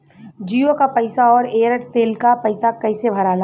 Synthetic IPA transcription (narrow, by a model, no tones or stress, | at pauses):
d͡ʒiːokapɐɪsaɔːɾeːɾəʈt̪eːlkapɐɪsakɐɪsebʱɐɾaːlaː